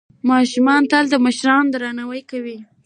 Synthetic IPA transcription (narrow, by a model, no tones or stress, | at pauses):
mɑʃumɑnt̪əld̪əməʃɾɑnd̪ɾɑnawəjkawi